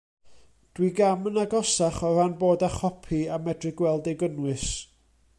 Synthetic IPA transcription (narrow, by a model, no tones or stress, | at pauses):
d̥wiɡamənaɡɔsaχɔranboːdaχɔpʰiamɛdrɨɡwɛlˠdeɡənwɨs